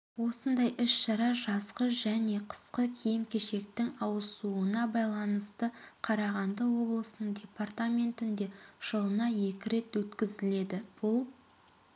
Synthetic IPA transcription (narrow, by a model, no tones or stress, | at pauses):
wo̞sənd̪ɑjʔʏsʃɑɾɑʒɑsqəʒæne̞qʰə̥sqəkʲʰijɪmkʲʰe̞ʃe̞k̚t̪ɪŋɑwəsuənɑbɑjlˠɑnəst̪əqʰɑɾɑʁɑnd̪əwo̞blˠəsənəɴdʲe̞part̪amʲe̞nt̪ɪnd̪e̞ʒ̥əlˠənɑje̞kʲɪɾe̞t̪wɵt̪kʲɪzɪle̞d̪ɪb̥ʊlˠ